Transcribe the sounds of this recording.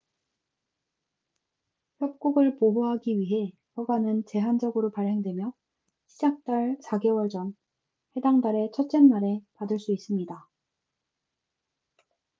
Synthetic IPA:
çjʌp̚k͈uɡɯɭpoɦoɦaɡiɥiɦe̞ | pʌbanɯnt͡ɕe̞ɦand͡ʑʌɡɯɾopaɭhe̞ŋdwe̞mjʌ | ɕʰid͡ʑak̚t͈aɭsaɡe̞wʌɭd͡ʑʌn | he̞daŋdaɾe̞t͡ɕʰʌt͡ɕ͈enːaɾe̞padɯɭs͈uis͈ɯmɲida

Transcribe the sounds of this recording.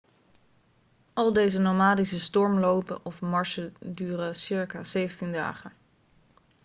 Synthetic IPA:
ʔɑlˠdejzənowmaːdisəstɔɹmlowpə̰ʔɔfmɑɹʃədyːrəsɪɹkaːzejvntinda̰ːχə

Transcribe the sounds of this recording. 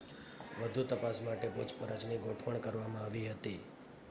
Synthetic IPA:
ʋəd̪ʱut̪əpasmaʈepot͡ʃʰpəɾət͡ʃniɡoʈʰʋəɳkəɾʋamãaʋiɦət̪i

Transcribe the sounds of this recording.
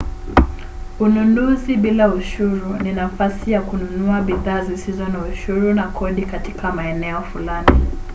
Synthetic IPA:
ununuziɓilauʃuɾuninafasijakununuaɓiðaːzisizɔnauʃuɾunakʰɔɗikatikamaɛnɛɔfulani

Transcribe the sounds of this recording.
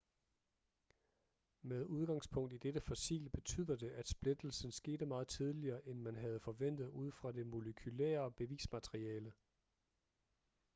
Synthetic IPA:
með̞ˠuð̞ˠɡ̥ɑ̈ŋspʰɔ̽ŋ̰d̥id̥edəfɒsḭːlb̥e̝t͡sʰy̰ːð̰ˠɐd̥e̝ʔæd̥sb̥le̝d̥l̩sn̩sɡ̥e̝̰ːd̥əmɑ̈ːð̞̩ˠt͡sʰið̞ˠliɐːʔenmænɦæð̞̩ˠfɒ̽ʋen̰d̥ð̞̩ˠuð̞̰ˠfʁɑ̈de̝mo̝ləkʰylḛːɐb̥e̝ʋḭːsmæt͡sʰʁiɛːlə

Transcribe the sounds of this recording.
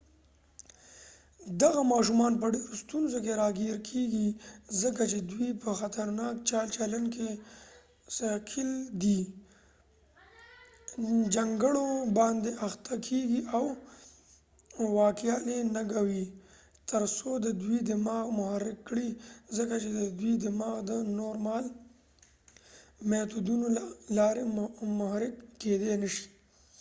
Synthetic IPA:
d̪aɣamɑʃ̬umɑnpəɖeɾost̪unzok̬eɾɑɡeɾkʰeɡizəkat͡ʃed̪wipəxat̪aɾnɑk̚t͡ʃɑlt͡ʃalanke | sakʰɪld̪i | d͡ʒaŋɡəɽobɑnd̪eʔaxt̪ʰakʰeɡiaw | wɑkjɑnenaɡawi | t̪əɾsod̪əd̪wid̪ɪmɑɣmʊhaɾɪkːɽizəkat͡ʃed̪əd̪wid̪ɪmɑɣd̪ənoɾmɑl | met̪ud̪unolɑːɾemʊhaɾɪkːed̪enəʃi̥

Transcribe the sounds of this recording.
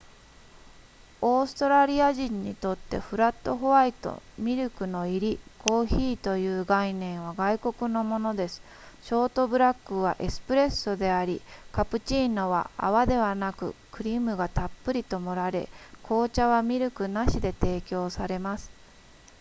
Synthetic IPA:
o̞ːsɨ̥t̪o̞ɾaɾʲiaʑĩɲ̟ːit̪o̞t̪ːe̞̰ɸɯ̟ɾat̪ːo̞ɦo̞βait̪o̞̰mʲiɾɯ̟kɯ̟no̞iɾʲikʰo̞ːçiːt̪o̞jɯ̟ːɡainẽ̞ɰ̃β̞aɡaiko̞kɯ̟no̞mo̞no̞d̪e̞sɨ̥ | ɕo̞ːt̪o̞bɯ̟ɾakːɯ̟β̞a̰ʔesɨ̥pɯ̟ɾe̞sːod̪e̞aɾʲikapɯ̟t͡ɕiːnoβa̰a̰βad̪e̞βanakɯ̟̰kɯ̟ɾʲimɯ̟ɡat̪apːɯ̟ɾʲit̪o̞mo̞ɾaɾe̞̰kʰo̞ːt͡ɕaβamʲiɾɯ̟kɯ̟naɕid̪e̞t̪e̞ːkʲo̞ːsaɾe̞masɨ̥

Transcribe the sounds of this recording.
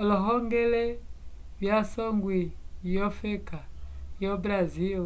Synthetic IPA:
ɔlɔɦɔŋɡɛlɛ | βjasɔŋɡwijɔfɛkajɔbɾazi

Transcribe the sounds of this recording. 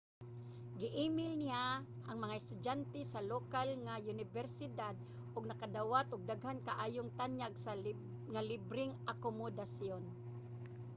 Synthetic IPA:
ɡɪʔiːmɪlnɪja | ʔaŋmɐŋaɪst̪ʊd͡ʒant̪ɛsalokalŋajʊnɪvɛɾsɪd̪ad̪̚ | ʔʊɡ̚nɐkad̪awat̪ʔʊɡ̚d̪aɡhankaʔaːjʊŋt̪anjaɡsa | ŋalɪbɾɪŋʔakomʊd̪asjon

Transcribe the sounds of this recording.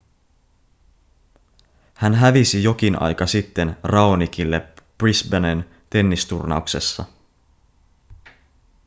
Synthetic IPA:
hænɦæʋisijo̞k̟inʔɑ̰jkɑsit̪ːe̞nrɑonikilːe̞prisbenen | t̪e̞nːist̪urnɑ̰ukse̞sːɑ̰

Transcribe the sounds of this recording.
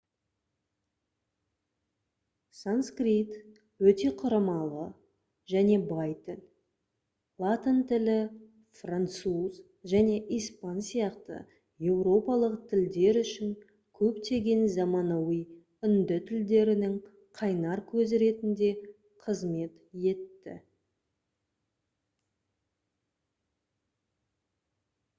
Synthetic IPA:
sanskrit̪ | wɵt̪e̞qʰʊɾɑmɑlˠə | ʒæne̞bɑjt̪ʰɪl | lˠat̪ənt̪ɪlɪ | frant̪suz̥ | ʒæne̞ʔijspɑnsijɑqt̪ə̰ | je̞wɾo̞pɑlˠəqt̪ʰɪld̪e̞ɾʏʃɪŋ | kʲʰɵpt̪e̞ɡʲe̞nzɑmɑnɑwij | ʏnd̪ɪt̪ʰɪld̪e̞ɾɪnɪŋ | qʰɑjnɑɾkʲʰɵzɾe̞t̪ɪnd̪e̞ | qʰəzme̞t̪je̞t̪ːɪ̰

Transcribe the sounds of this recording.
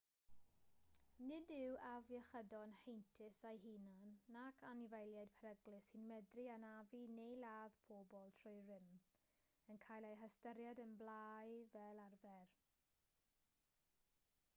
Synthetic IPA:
nɪdɪwavjɛχədɔnhejntʰɪsajɦinanːakʰanɪvajlˠjad̥̚pʰaɾəɡlɪsinmɛdrianavinejlaːðpʰoːbɔlˠtʰrʊjrɪm | ənkʰaːjlˠejɦəstəɾjadənblajvɛlˠarvɛr

